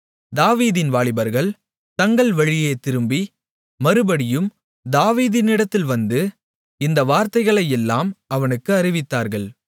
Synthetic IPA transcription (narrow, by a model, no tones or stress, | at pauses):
d̪aːʋiːðɪnʋaːɭɪbɐɾɣɐɭ | t̪ɐŋɡɐɭʋɐɻɪjeːt̪ɪɾɯmbi | mɐɾɯbɐɽɪjɯm | d̪aːʋiːðɪnɪɽɐt̪ːɪlʋɐnd̪ɯ | ɪnd̪ɐʋaːɾt̪ɐɪɣɐɭɐjɛlːaːmɐʋɐnɯkːɯɐɾɪʋɪt̪ːaːɾɣɐɭ